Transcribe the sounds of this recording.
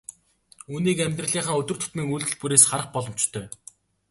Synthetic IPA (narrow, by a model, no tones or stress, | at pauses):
uːniːkæmʲt̪rə̆ɮiːɴχə̆ːŋɵt̪ɵ̆r̥t̪ʰɵ̥t̪miːŋuɮt̪ɘ̆ɮpuɾeːsχaɾə̆χpɔɮɞ̆m̥t͡ɕt̪ʰːœː